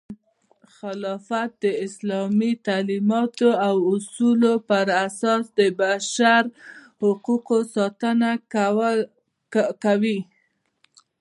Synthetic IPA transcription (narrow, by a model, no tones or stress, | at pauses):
xɪlɑfat̪̚d̪əɪslɑmit̪alimɑt̪oawʊsulopəɾasɑsd̪əbaʃaɾhʊquqosɑt̪əna | kawi